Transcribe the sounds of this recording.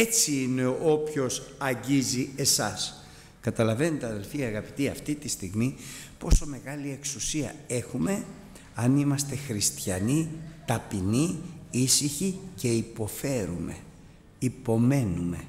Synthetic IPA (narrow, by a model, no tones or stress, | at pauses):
et͡siine̞opço̞sɐɲɟizie̞sɐs | kɐt̪ɐlɐve̞not̪eɐðe̞lfiɐɣɐpi̥t̪iɐft̪it̪ist̪iɣmi | po̞so̞me̞ɣɐlie̞ksusiɐ̰e̞xume̞ | ɐnimɐst̪e̞xɾist̪çɐnit̪ɐpiniisiçice̞ipo̞fe̞ɾṵme̞̰ | ipo̞me̞nume̞